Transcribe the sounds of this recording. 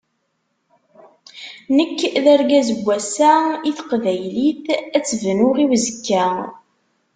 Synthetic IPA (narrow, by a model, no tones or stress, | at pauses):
nəkːðæɾɡæzəbʷːæsæiθə̥qvæjliθæt͡sːvnʊʁiwzəkːæ